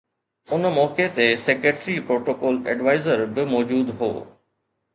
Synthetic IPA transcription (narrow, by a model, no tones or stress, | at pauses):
ʊnmɔːket̪esekeʈɾipɾoːʈoːkɔːlɛ̰ɖʋaːɪzəɾbɪmɔːd͡ʑuːd̪ɦo̰ː